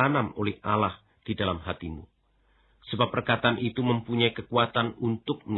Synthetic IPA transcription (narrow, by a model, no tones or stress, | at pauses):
anamolɛhʔalah | d̥idalamɦat̪imṵ | səbapːərkat̪anʔit̪uməmpuɲaikəkuat̪anunt̪ʊk̚məɲ